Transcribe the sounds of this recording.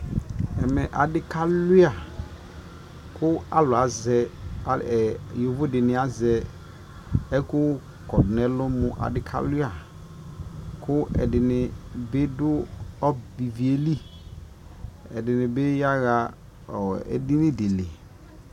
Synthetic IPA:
ɛ˨mɛ˨ʔa˨dɪ˦ka˦lʊ˦a˨ | kʊ˦a̰˦lʊ˨a˨zɛ˨a˨˦ɛ˨jo˨vʊ˦dɪ˨nɪ˨a˦zɛ˨ | ɛ˦kʊ˦ | kɔ˨dnɛ˦lʊ˦mʊ̃˨ʔa̰˨dɪ˦kʰa̰˦lʊ˦a˨ | kʰʊ˦ɛ̰˨dɪ˨nɪ˨be˦dʊ˦ɔ˦bi˨vi˨e˦li˦ | ɛ̰˨dɪ˨nɪ̃˨be˦ja˦ɣa˨ | ɔ˨ɛ̰˨dɪ˦nɪ̃˦dɪ˨lɪ˨

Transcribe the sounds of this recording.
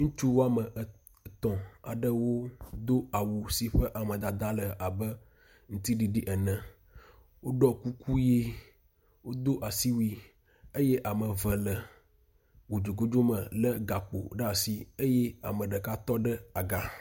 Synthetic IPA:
ŋũ˦t͡ʃu˦wo˦a˦˨mə˨ʔ | t̪ɔ̃˨a̰˨ɖə˦wo˦d̪o˦a˨wu˨si˨ɸə˦ʔa˨mə̃˨d̪a˨d̪a˦lə˨a˨bə˦ | ŋũ˦t̪i˦ɖi˨ɖi˦ʔə˨nə̃˨ | wo˦ɖɔ˦ku˦ku˦je˦ | wo˦d̪o˦ʔa˨si˦wi˦ | e˦jɛ˦ʔa˨mə˨və˨lə˨ | wo˨d͡ʒo˨ɡo˦d͡ʒo˦mə̃˨lə˦ɡa˨k͡po̰˨ɖa˨si˦e˦jɛ˦a̰˨mə̃˨ɖə˨ka˦t̪ɔ˦ɖə˦a˨ɡa˦

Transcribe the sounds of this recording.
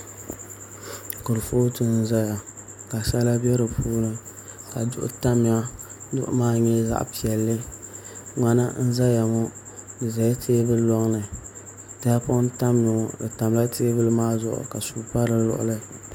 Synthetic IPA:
kʊ˨ɾfo˦tɨ˦n̩˦za˦ja˨ | ka˨sa˦la˦bɛ˦ɾɨ˨puː˦lɨ˦ | ka˨dʊ̰˦ʔʊ̰˦ta˦mɪ˨a˦dʊ̰˦ʔʊ̰˦maː˦ɲɛ˦za̰˦ʔpi˨ɛ˨lːɨ˦ | ŋa˨na˦n̩˦za˦ja˨ŋɔ˦ | nɨ˨za˨ja˦tʰeː˦bɨ˦lɔ˦ŋlɨ˨ | ta˦a˦pʊ˦n˦ta˦mnʊ˨dɨ˨ta˨m˦la˦tʰeː˦bɨ˦lɨ˦maː˦zʊ̰˨ʔʊ̰˨ka˨su˦pa˦ɾɨ˦lʊ̰˨ʔʊ̰˨lɨ˦

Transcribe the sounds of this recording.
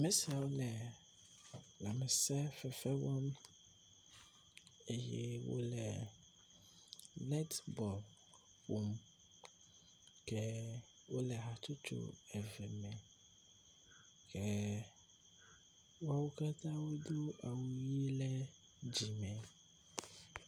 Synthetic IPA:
mɛ̃˦si˨a˨wo˦lɛ˨ | la˨mɛ˨sɛ˦fɛ˨fɛ˦wɔ˦m | e˦jɛ̰˦wo̰˦lɛ̰˨ | lɛ˦t̪bɔ˨l | wu˨m | kɛ˦ | wo˦lɛ˨ɦa˨t͡ʃ̪u˦t͡ʃo̰˦ɛ˨vɛ˨mɛ̃˨ | kʰɛ˦ | wa˦wo˦ka˦t̪ã˦wo˦d̪o˦a˨wu˨ji˦lɛ˦ | d͡ʑi˨mɛ̃˨

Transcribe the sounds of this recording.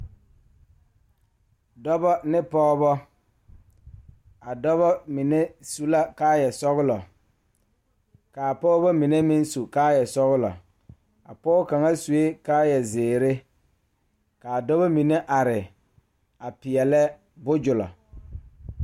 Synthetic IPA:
dɔ˦bɔ˦nɪ˦pɔː˦bɔ˦ | a˨dɔ˦βɔ˦mi˨ne˦su˦la˦kaː˦jɛ˨sɔ˦ɣʊ˦lɔ˨ | kaː˨pɔː˦bɔ˦mi˨ne˦mɪ˦nsu˨kaː˦jɛ˨sɔ˦ɣʊ˦lɔ̰˨ | a̰˨pɔː˦ka˨ŋa˦su˨e˦kaː˦jɛ˨zɪː˨ɾɪ˦ | ka˨dɔ˦βɔ˦mi˨ne˦ʔa˨ɾɪ˨ | a˨pɪ˨ɛ˨lɛ˦ | bʊ˦d͡ʒʊ˨lɔ̰˨

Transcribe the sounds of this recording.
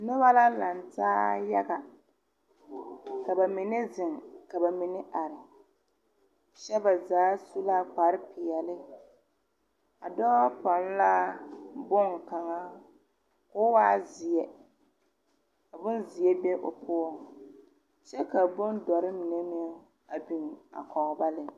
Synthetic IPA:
nʊ˦βa˦la˦la˨ntaː˦ja˦ɡa˨ | ka˨ba˨mi˨nɛ˦zɪ˨ŋka˨ba˨mi˨nɪ˦ʔa˨ɾɪ˨ | ʃɛ˦ba˨zaː˨˦su˦la˦k͡pa˨ɾɪ˦pɪ˨jɛ˨lɪ˦ | a̰˨dɔː˦pa˨n˦la˦bʊ˦ŋ˨ka˨ŋa˦ | kʊ˦waː˦zɪ˨ɛ˨ | a˨bʊ˦nzɪ˨jɛ˦be˦ʔʊ˨pʰʊ˦ɔ˦˨ | t͡ʃɛ˦ka˨bʊ˦ndɔ˨ɾɪ˦mi˨ne˦mɪ˦ | a˨bi˨n˨a̰˨kʰɔ˨ɣba˦lɪ˦

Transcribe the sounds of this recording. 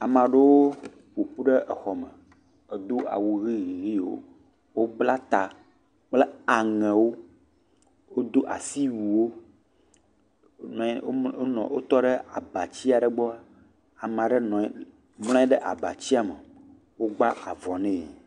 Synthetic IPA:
a˨mã˨ɖe˦wo˦ | ɸo˨ɸu˦ɖe˦ʔə˨xɔ˨mə˨ | e˨d̪o˦a̰˨wu˨ɣi˦ɣi˨ɣi˦wo̰˦ | wo˦bla˦t̪a˨ | k͡plɛ˦a˨ŋɛ̃˨wo˦ | wo˦d̪o˦ʔa̰˨si˦wu˨wo˦ | ñ˨˦nɔ̰̃˨wo˦t̪ɔ˦ɖe˦a˨ba˨t͡ɕi˦a˨ɖə˨ɡ͡bɔ˦a˦ | a˨m˨ã˨ɖe˦nɔ̃˨˦ | ml̃ɔ̃˦i˦ɖe˦ʔa̰˨ba̰˨t͡ɕi˦a˨mə˨ | wo˦ɡ͡ba˦ʔa˨vɔ˨nɛ̃˦˨

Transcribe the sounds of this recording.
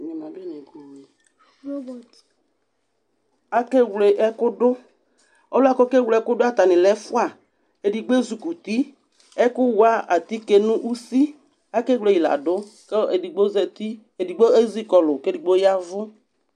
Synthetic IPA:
ɲɔ˨mã˨bɛ˦nɛ˨ɡu˨i˨˦˨ | a˦ke˦wle˨ʔɛ˦kʊ˦dʊ˦ | ɔ˦la˦kɔ˦ke˦wle˨ɛ˦kʊ˦dʊ˦a˦˨t̪a˨nɪ̃˨lɛ˦fʊ˦a˨ | e˨di˨ɡ͡be˦zu˨ku˨t̪i˦ | ɛ˦kʊ˦wa˦a˨t̪i˦ke˨nʊ̃˦ʔu˦si˦ | a˦ke˦wle˨i˨la̰˨dʊ˦ke˦e˨di˨ɡ͡bo˦zɛ˨t̪i˦ | e˨di˨ɡ͡bo˦e˦zi˦kɔ˨lʊ˨ke˦di˨ɡ͡bo˦ja˦vʊ˦

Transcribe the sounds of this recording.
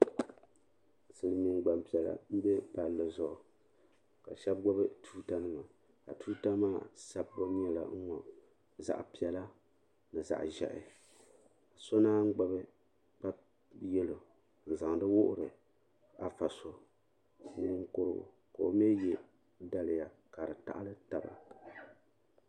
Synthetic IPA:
sɨ˨lɨ˨mi˨nɡ͡ba˨mpi˨ɛ˨la̰˨m̩˦bɛ˦pa˨lːɨ˨zʊ˨ʔʊ˨ | ka˨ʃɛ˦b̚ɡ͡bɔ˦bɨ˦tʰuː˦ta˦nɨ˦ma˨ | ka̰˨tuː˦ta˦maː˦˨sa˨bːo˦ɲ˦ɛ˦la̰˨ŋ̩˦ŋɔ˨ | za̰˨ʔpi˨ɛ˨la˦ | nɨ˨za̰˨ʔʒɛ̰˨ʔɪ̰˨ | a˨so˦naː˦ŋ̩˦ɡ͡ba˦bɨ˦ | pa˦ | jɛ˦lo˨ | n̩˨za˨ŋ˨dɨ˦wʊ˦ʔʊ˦ɾɨ˨ | a˨fa˨so˨˦ | nɨ˦ŋ˦ko˦ɾɨ̰˦˨ | ka˨o˨m˦ɛ˦jɛ˦ | da˦lɪ˨ja˨ | ka˨ɾɨ˨ta̰˦ʔa˦lɨ˦ta˨ba̰˨

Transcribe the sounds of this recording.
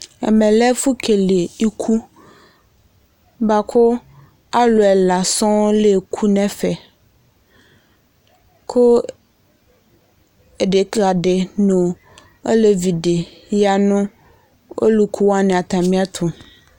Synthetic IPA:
ɛ̰˨mɛ̃˨lɛ˦fu˦kʰe˨le˨i˦kʰu˦ | ba˦ko˦ | a˦lo˨ɛ˨la˨sɔ̃˦le˨kʰu˦nɛ̃˦fɛ˨ | kʰo˦ | e˨ɖe˨kla˨ɖe˨nũ˨ | e˦le˨vi˨ɖe˨ja˨nũ˦ | ʔo̰˦lu˦kʰu˦wa˦nɛ̃˨a˨t̪ã˨mĩ˦a˦t̪ʰo˨

